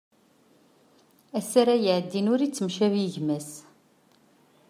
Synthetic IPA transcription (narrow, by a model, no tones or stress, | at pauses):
æsæɾæjəʕəd̪ːinʊɾit͡sːəmʃæviʝmæs